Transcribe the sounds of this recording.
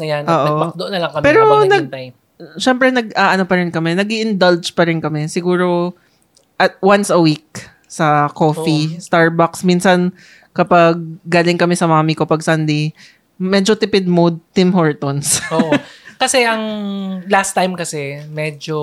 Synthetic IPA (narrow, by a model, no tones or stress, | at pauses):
nɐjanʔɐoːʔod̪oʔonːɐlɐŋkɐmpɛːɾonɐɡt̪aj | ʃɛmpɾɛnɐɡʔaʔɐnopɐɾɪnkɐmɛnɐɡiʔɪnd̪ɐld͡ʒpɐɾɪnkɐmɛsɪɡuːɾo̞ | ʔɐt̪̚wansɐwik̚ | sɐko̞ːfist̪aɹbaksminsɐn | kɐpaɡ̚ɡaːlɪŋkɐmɛsɐmamikopɐɡ̚sɐnd̪ej | mɛːd͡ʒot̪ɪpɪd̪̚mod̪̚t̪ɪmhoɹt̪onsoʔkɐsɛʔɐŋlast̪ːajmkɐsɛmɛd͡ʒo